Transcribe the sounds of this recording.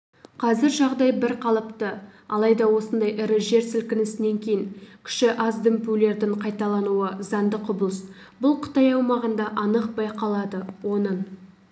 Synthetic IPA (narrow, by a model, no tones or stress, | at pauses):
qʰɑzɪɾʒɑʁd̪ɑjbɪɾqʰɑlˠəpt̪əɑlˠɑjd̪ɑwo̞sənd̪ɑjʔɪɾɪʒe̞ɾsɪlkʲɪnɪsɪne̞ŋkʲʰe̞jɪŋkʲʰɪ̥ʃɪʔɑzd̪ɪmpule̞ɾd̪ɪɴqʰɑjt̪ɑlˠɑnuəzɑnd̪əqʊblˠəs | bʊlˠqʰə̥t̪ɑjɑwmɑʁənd̪ɑʔɑnəq̚bɑjqɑlˠɑd̪əwo̞nəɴ